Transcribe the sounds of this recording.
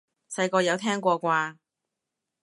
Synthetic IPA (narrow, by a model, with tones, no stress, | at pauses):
sɐ˧jkɔː˧jɐ˨˧wt̪ʰɛː˥ŋkʷɔː˧kʷaː˧